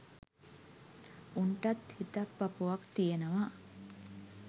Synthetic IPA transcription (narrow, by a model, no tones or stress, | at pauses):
uɳʈat̪hit̪apːapuʋakt̪ijenəʋa